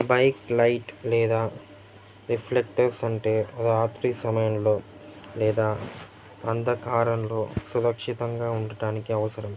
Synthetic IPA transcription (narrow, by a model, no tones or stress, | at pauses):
bɐjklɐjʈlɛːd̪aː | ɾipʰlek̚ʈɐɾsɐɳʈeːɐd̪aːt̪ɾisɐmɐjɐmlo̞ː | lɛːd̪aː | ɐnd̪ɐkaːɾɐnlo̞ːsuɾɐkʂit̪ɐŋɡaːuɳɖɐɽaːnikiɐʋɐsɐɾɐm